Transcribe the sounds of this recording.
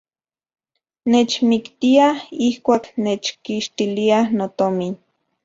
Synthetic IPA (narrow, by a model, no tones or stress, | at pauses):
net͡ʃmikt̪iahihkʷaːknet͡ʃkiʃt̪ilianot̪omin